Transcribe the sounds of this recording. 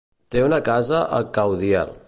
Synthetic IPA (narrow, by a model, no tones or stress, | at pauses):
t̪eunəkazəʔə̰kawðia̰lˠ